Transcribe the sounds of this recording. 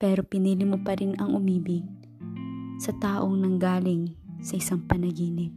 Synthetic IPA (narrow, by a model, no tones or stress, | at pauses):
pɛːɾo̞pɪniːlɪmʊpɐɾɪnɐŋʔʊmiːbɪ | sɐt̪aːʔoŋnɐŋɡaːlɪŋsɐʔɪsaŋpɐnɐɡiːnɪn